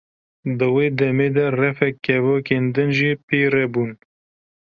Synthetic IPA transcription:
d̪ɨweːd̪ɛmeːd̪ɛrɛfɛkːɛvoːkeːnd̪ɨnʒiːpʰeːɾɛbuːn

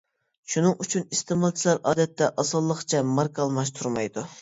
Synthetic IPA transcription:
ʃunɨŋyt͡ʃʰynist̪ɨmɑlˠt͡ʃʰilˠɑɾʔɑːd̪ɛt̪ʰːɛʔɑsɨlˠːəχt͡ʃʰɛmɑɾkʰɑlˠmɑʃt̪ʰuɾmɑjd̪u

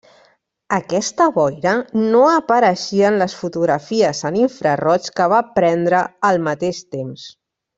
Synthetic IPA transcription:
əkɛst̪əβɔjɾənoəpəɾəʃiənləsfut̪uɣɾəfiəzəniɱfɾərɔt͡ʃkəβ̞apɾɛnd̪ɾəːlˠmət̪eʃt̪ems

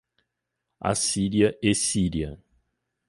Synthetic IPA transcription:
a̰siɾiɐʔesiɾiɐ

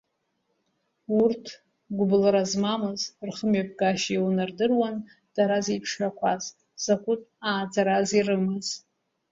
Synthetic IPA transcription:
urtʰ | ɡʷʊblaɾazmamɨzrχəmɥap̚ʰʼɡʼaʃiwnardɨrwan | d̥aɾazipʰʂakʷʰaz | z̥akʷʼutʼaːd͡zaɾazirɨmɨz

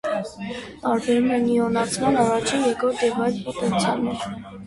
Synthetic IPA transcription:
t̪ɑɾbɛɾumɛniɔnɑt͡sʰmɑnɑrɑt͡ʃʰinjɛkɔɾt̪jɛvɑjt͡spɔt̪ɛnt͡sʰjɑnɛɾ

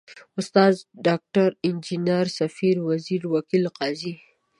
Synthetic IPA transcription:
ʊst̪ɑzɖɑk̚ʈaɾɪnd͡ʒinaɾsafiɾwaziɾwakilqɑzi

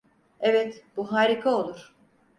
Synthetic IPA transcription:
ɛvɛt̪b̥uɦaːɾikʰao̞lˠuɾ̥

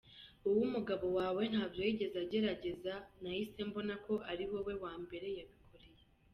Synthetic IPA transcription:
uwumuɡaβo̞waːwe̞n̥haːbjoiɟe̞zaɟe̞ɾaɟe̞zanajise̞mbo̞nako̞ʔaɾiwo̞we̞waːmbe̞ɾe̞jaβikʰo̞ɾeje

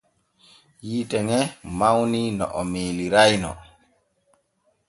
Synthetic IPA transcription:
jiːtɛŋɛmawninɔ̰ʔɔmeːliɾajnɔ̰

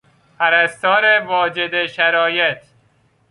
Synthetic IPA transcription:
pʰæɾæst̪ɒːɾevɒːd͡ʒed̪eʃæɾɒːjet̪

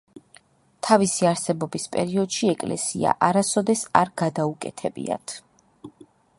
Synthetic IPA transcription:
t̪ʰavisiaɾsɛbɔbispʼɛ̰ɾiɔd̪̥ʃiɛkʼlɛ̰sia̰ʔaɾasɔd̪ɛsaɾɡad̪aukʼɛ̰t̪ʰɛbḭa̰t̪ʰ

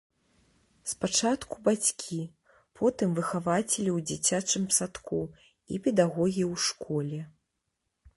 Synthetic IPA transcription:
spat͡ʂat̪ku̥bat͡sʲkʲʰi | pʰɔt̪ɨmvɨxavat͡sʲɛlʲiwd͡zʲit͡sʲat͡ʂɨmsat̪kʰu | ḭpʲɛd̪aɣɔɣʲiiwʂkɔlʲɛ

